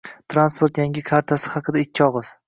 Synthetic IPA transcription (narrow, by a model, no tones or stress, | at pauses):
t̪ʰɾanspo̞ɾt̪jaŋʲɪkʰaɾt̪ʰasɪ̥hɑqʰɨd̪aɪkʲʰːɪɒʁɨz̥